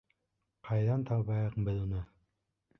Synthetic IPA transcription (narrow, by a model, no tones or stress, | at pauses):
qʰɑjðɑnt̪ʰɑwβɑjɤqbɘðunɤ